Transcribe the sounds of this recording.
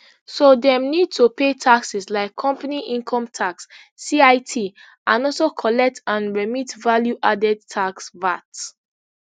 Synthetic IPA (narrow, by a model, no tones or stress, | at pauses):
sodɛ̃mnid̚tʰupetʰaksislaɪkʰːɔ̃mpaniʔĩŋkʰɔ̃mtʰaksː | iaɪtʰi | ʔãnɔlsokʰɔlɛk̚tʰãnɹɛmitvaljuʔadɛd̚tʰaksvat